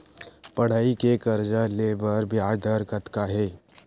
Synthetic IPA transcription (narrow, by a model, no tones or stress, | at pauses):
pɐɽ̤aːikekɐɾd͡ʒaleːbəɾbʱɪaːd̪əɾɡət̪kaɦɛː